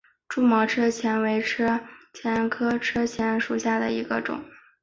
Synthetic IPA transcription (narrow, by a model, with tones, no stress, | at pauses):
ʈ͡ʂu˥mɔ˧˥ʈ͡ʂʰɤ˥t͡ɕʰjɛ˧˥nwe˧˥ɪʈ͡ʂʰɤ˥t͡ɕʰjɛ˧˥nkʰɤ˥ʈ͡ʂʰɤ˥t͡ɕʰjɛ˧˥nʂu˨˩ɕja˥˩d̪ə̰˩i˧˥ɡə˧ʈ͡ʂʊ̰˨˩˦ŋ